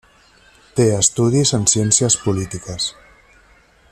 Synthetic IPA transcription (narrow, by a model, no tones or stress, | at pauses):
t̪eəst̪uðizənsjensiəspulit̪ikəs